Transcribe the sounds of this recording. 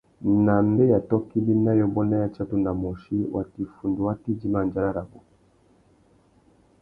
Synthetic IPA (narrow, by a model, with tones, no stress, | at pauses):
na˨m˦bɛ˦ja˨tɔ˦ki˦li˦na˦jɔ˨bɔ˦na˦ja˨t͡ʃa˦tu˦˨na˨mɔ˨ʃi˦wʔa˨ti˨fu˨ndu˨wa˦ti˦d͡ʒi˦ma˨nd͡ʒa˦ɾa˦ɾa˨bu˨